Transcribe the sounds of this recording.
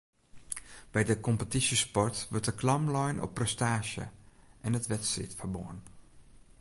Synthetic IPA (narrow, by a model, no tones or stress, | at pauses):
b̥ɛjdəkɔmpətisəspɔrtʋørt̚dəklɑmlɔjnʔɔ̰pːrɛstaːʃə̰ʔɛnətʋɛtsḭtfərbo̰ən